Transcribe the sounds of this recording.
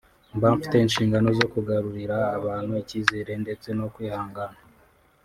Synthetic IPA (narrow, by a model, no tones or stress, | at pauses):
mbaːɱfi̥te̞inʃiːŋɡano̞zo̞kuɡaɾuɾiɾaːβaːnhuecizeɾe̞nde̞t͡se̞no̞kwiːhaːŋɡana